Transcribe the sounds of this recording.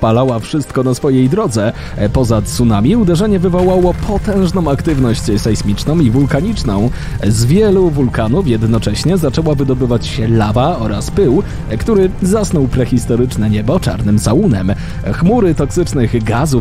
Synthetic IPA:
palawafʂɘst̪̚kɔnasfɔjejd̪ɾɔd̪zɛ | pɔzat̪sunamʲiud̪ɛʐɛɲɛvɘvɔwawɔpʰɔt̪ɛ̃w̃ʐnɔ̃w̃akt̪ɘvnɔɕt͡ɕsajsmʲit͡ʂnɔ̃w̃ivulkaɲit͡ʂnɔ̃w̃ | zvʲjɛluvulkanufjɛd̪nɔt͡ʂɛɕɲɛzat͡ʂɛwavɘd̪ɔbɘvat͡ɕɕɛlavaɔɾaspɘw | kt̪uɾɘzasnɔwpɾɛxʲist̪ɔɾɘt͡ʂnɛɲɛbɔt͡ʂa̰ɾnɘmsawunɛ̰m | xmuɾɘt̪ɔksɘt͡ʂnɘɣɡazu

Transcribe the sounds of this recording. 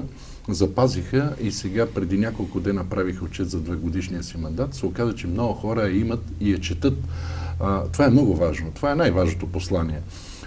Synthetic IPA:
zɐpazixəisɛɡapɾɛd̪inʲjakolˠkʊd̪ɛnɐəpɾavixəot͡ʃɛt̪zɐd̪vɛɡod̪iʃniəsimɐnd̪at̪sɛokazət͡ʃɛmnɔɡʊxɔɾəɐimət̪ijɐt͡ʃɛt̪ɤt̪ː | t̪ovaɛmnɔɡʊvaʒnot̪ovaɛnajvaʒnot̪oposlˠaniɛ

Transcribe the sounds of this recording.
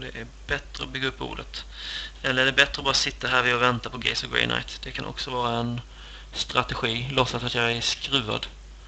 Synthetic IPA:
d̪ɛʔæɾbɛt̪ɾəɔbʏɡːaɵpːṵːɖət̪ɛlːəæɖɛbɛt̪ːɾəɔbɑːɾasɪt̪ːaɦæːɾvɪɔvɛnt̪apɔɡɛ̰ɪsɔɡɹɛ̰ɪnʔa̰jt̪d̪̥ɛkʰanʔɔ̰ksɔvɑːɾaɛn | st̪ɾat̪ɛɧiːlɔsːat̪at̪jɑɡæʂkɾʉ̟ːa̰d̪

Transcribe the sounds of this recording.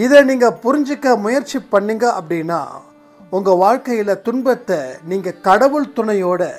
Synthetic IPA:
ɪðɐniːŋɡɐpʊɾɪɲd͡ʒɯkːɐmʊjɐɾt͡ʃipːɐɳːɪŋɡɐʔɐpːɐɽɪnːa̰ː | ʊŋɡɐʋaːɻkɐjɪlɐt̪ʊnbɐt̪ːɐniːŋɡɐkɐɽɐʋɯɭt̪ʊɳɐjoːɽɐ

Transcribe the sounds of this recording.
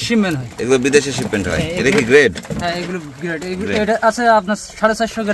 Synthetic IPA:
ʃimːenɦɔjeɡulobid̪eʃeʃipːeɳʈɦɔ̰jḛɾakiɡɾeɖɦɛ̃eɡulo | ɡɾeɖeɡuloeejʈaʔasʰeapnaɾʃaɽesaʃoɡ

